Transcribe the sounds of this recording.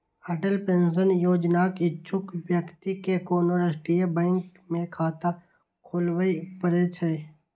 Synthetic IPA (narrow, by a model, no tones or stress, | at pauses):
əʈəlpẽːnsənjoːd͡ʒnaːkɪtːt͡ʃʰʊkwjəkt̪ikekoːnoɾəsʈɾijebɛ̃ːŋk | mẽkʰaːt̪a | kʰoːlwəipəɾet͡ʃʰɛː